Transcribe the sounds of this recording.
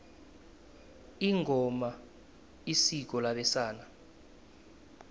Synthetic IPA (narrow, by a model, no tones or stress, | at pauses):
iŋʱɔma | isik̬ɔlaɓɛsaːna